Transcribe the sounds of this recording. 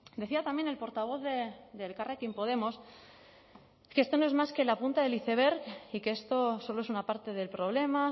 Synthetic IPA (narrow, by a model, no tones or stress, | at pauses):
d̪e̞θiat̪amjene̞lpo̞ɾt̪aβ̞o̞θðed̪e̞lkarekimpo̞ð̞e̞mo̞s | keest̪o̞no̞ezmaskelapunt̪aðe̞liθe̞β̞e̞ɾkike̞est̪o̞so̞loesunapaɾt̪e̞ðe̞lpɾo̞β̞le̞ma